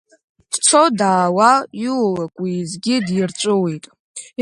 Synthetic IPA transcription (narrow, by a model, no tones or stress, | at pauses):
d̥t͡sʰodaːwajulakʷʼizɡʲidjirt͡ʃʷʼʊwitʼ